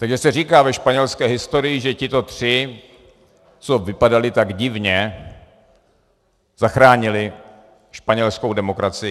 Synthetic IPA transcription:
t̪aɡʒɛsɛr̝iːkaːvɛʃpaɲɛlskɛːɦɪst̪o̞ɾɪjɪʒɛcɪt̪o̞t̪r̝̥ɪ | t͡sovɪpadalɪt̪aɡɟɪvɲɛ | zaxɾaːɲɪlɪ | ʃpaɲɛlsko̞wdɛmo̞kɾat͡sɪjɪ

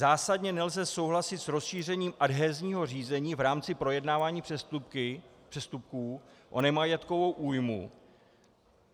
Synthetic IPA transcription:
zaːsadɲɛnɛlzɛso̞wɦlasɪt̪sɾo̞sʃiːr̝ɛɲiːmʔadɦɛːzɲiːɦo̞r̝iːzɛɲiːvɾaːmt͡sɪpɾo̞jɛdnaːvaːɲiːɪpr̥ɛst̪up̚kuːʔo̞̰nɛmajɛt̪ko̞vo̞wʔuːjmṵ

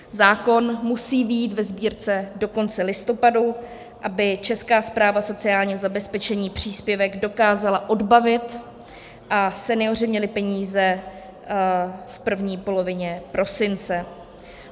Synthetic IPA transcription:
zaːko̞nmusiːvjiːt̪vɛzbiːɾt͡sɛdo̞ko̞nt͡sɛlɪst̪o̞padu | ʔabɪt͡ʃɛskaːspɾaːvaso̞t͡sɪaːlɲiːɦozabɛspɛt͡ʃɛɲiːpr̝̥iːspjɛvɛɡdo̞kaːzalaʔo̞dbavɪt̪ | ʔasɛnɪo̞r̝ɪmɲɛlɪpɛɲiːzɛ | fpr̩vɲiːpo̞lo̞vɪɲɛpɾʔo̞sɪnt͡sɛ

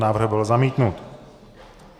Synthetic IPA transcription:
naːvr̩hbɪlzamiːt̪nut̪

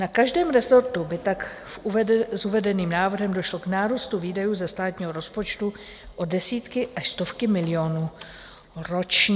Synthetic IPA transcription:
nakaʒdɛːmɾɛzo̞ɾt̪ubɪt̪ak | zuvɛdɛniːmnaːvr̩ɦɛmdoʃlo̞knaːɾust̪uviːdajuːzɛst̪aːt̪ɲiːɦo̞ɾo̞spo̞t͡ʃt̪u | ʔo̞dɛsiːt̪kɪʔaʃst̪o̞fkɪmɪlɪo̞nuː | ɾo̞t͡ʃɲ

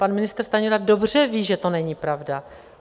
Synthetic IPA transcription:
panmɪnɪst̪rst̪aɲoɾado̞br̝̥ɛviːʒɛt̪onɛɲipɾavda

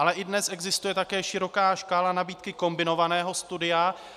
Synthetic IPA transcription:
alɛʔɪdnɛsʔɛɡzɪst̪ujɛt̪akɛːʃɪɾo̞kaːʃkaːlanabiːt̪kɪko̞mbɪno̞vanɛːɦo̞st̪udɪja

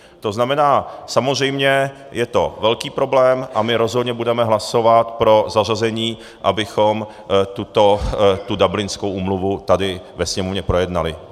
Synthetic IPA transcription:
t̪o̞znamɛnaːsamozrɛjmɲɛ | jɛt̪o̞vɛlkiːpɾo̞blɛːmʔamɪɾo̞zɦodɲɛbudɛmɛɦlaso̞vat̪pɾo̞zar̝azɛɲiː | ʔabɪxom | t̪ut̪ot̪udablɪnskowʔuːmluvut̪adɪvɛsɲɛmovɲɛpɾo̞jɛdnalɪ

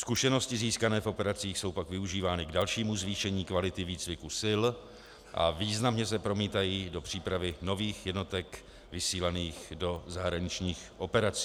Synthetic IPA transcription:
skuʃɛno̞scɪziːskanɛːfʔo̞pɛɾat͡siːxso̞wpakvɪuʒiːvaːnɪɡdalʃiːmuzviːʃɛɲiːkvalɪt̪ɪviːt͡svɪkusɪl | ʔa̰viːznamɲɛs̬ɛpɾo̞miːt̪ajiːdo̞pr̥iːpɾavɪno̞viːxjɛdno̞t̪ɛk | vɪsiːlaniːxdo̞zaɦɾaɲɪt͡ʃɲiːxʔo̞pɛɾat͡si̥ː

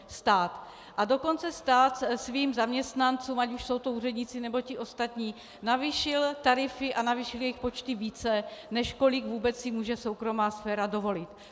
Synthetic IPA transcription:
st̪aːt̪ | ʔado̞ko̞nt͡sɛst̪aːt̪sviːmzamɲɛst̪nant͡suːmacuʃso̞wt̪ouːrɛdɲɪt͡sɪnɛbo̞cɪʔo̞st̪at̪ɲiː | naviʃɪlt̪aɾɪfɪʔanaviːʃɪljɛjɪxpo̞t͡ʃt̪ɪviːt͡sɛnɛʃko̞lɪɡvuːbɛt͡ssɪmuːʒɛso̞wkɾo̞maːsfɛːɾado̞vo̞lɪt̪

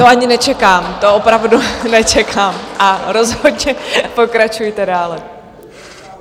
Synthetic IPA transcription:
t̪oaɲɪnɛt͡ʃɛkaːmt̪oopɾavdunɛt͡ʃɛkʰaːmʔaɾozɦodɲɛpokɾat͡ʃujt̪ɛdaːlɛ

